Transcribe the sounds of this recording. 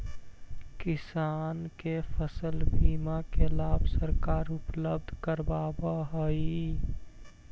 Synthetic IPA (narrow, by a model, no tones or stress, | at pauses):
kɪsaːnkepʰəsəlbʱiːmakelaːbsəɾkaːɾʊpləb̚d̪ʱkəɾbaːbaɦəi